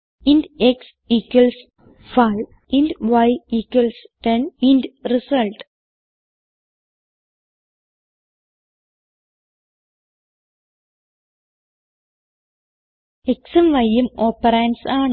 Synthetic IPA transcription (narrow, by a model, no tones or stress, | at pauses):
indeks | ikːɐls | fɐjʋ | indʋɐjikːɐlsʈenindrisɐlʈ | eksɐmʋɐjːemoːpːɐɾeːnsaːɳ